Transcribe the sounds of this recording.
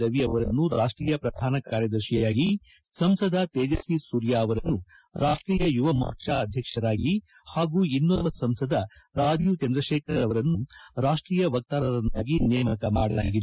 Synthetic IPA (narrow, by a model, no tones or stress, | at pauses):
ɐʋiɐʋɐɾɐnːuɾaːʂʈɾiːjɐpɾɐd̪ʱaːnɐkaːɾjɐd̪ɐɾʃijaːɡi | sɐmsɐd̪ʱɐt̪eːd͡ʒɐsisuːɾjaːɐʋɐɾɐnːu | ɾaːʂʈɾiːjɐjuʋɐma̰ːt͡ʃaɐd̪ʱjɐkʂɐɾaːɡi | haːɡuːinːɐʋɐsɐmsɐd̪ʱɐɾaːd͡ʒjut͡ʃɐnd̪ɾɐʃeːkɾɐɾɐʋɐɾɐnːuɾaːʂʈɾiːjɐʋɐk̚t̪aːɾɐɾɐnaːɡinɛːmɐkɐmaːɽɐla̰ːɡid̪u